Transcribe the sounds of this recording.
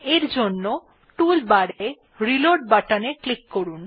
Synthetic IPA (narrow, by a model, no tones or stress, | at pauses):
eɾd͡ʑonːo | ʈulbaɽae | ɾiloɾʈ̚baʈaneklikkoɾun